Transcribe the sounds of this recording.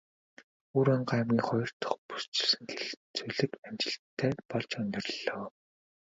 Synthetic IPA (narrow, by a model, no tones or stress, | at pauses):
uːɾaɴɢaːmɡʲiːŋχɔjɞ̆r̥t̪ʰʊ̥̆χpu̥st͡ɕɪ̥̆ɮsɘ̆ŋxeɮt͡suɮɘ̆kamt͡ɕɪ̆ɬt̪ʰːæːpɔɮt͡ɕɵnʲt̪ɪ̆rɮɔː